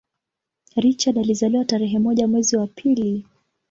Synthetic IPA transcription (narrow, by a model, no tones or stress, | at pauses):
ɾit͡ʃaɗalizaliwataɾɛɦɛmɔʄamwɛziwapʰili